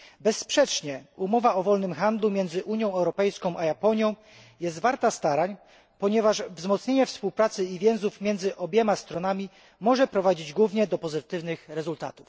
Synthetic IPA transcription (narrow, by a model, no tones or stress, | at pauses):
bɛsːpʂɛt͡ʂɲɛumɔvaɔvɔlnɘmxand̪lumʲjɛnd̪zɘʔuɲjɔ̃w̃ɛwɾɔpɛjskɔ̃w̃ʔajapɔɲjɔ̃w̃ | jɛst̪vaɾt̪ast̪aɾaɲ | pɔɲɛvaʂvzmɔt̪sɲeɲɛfspuwpɾat̪sɘivʲjɛw̃zufmʲjɛnd̪zɘʔɔbʲjɛmast̪ɾɔnamʲi | mɔʐɛpɾɔvad͡ʑid͡ʑɡwuvɲɛd̪ɔpɔzɘt̪ɘvnɘxɾɛzult̪a̰t̪uf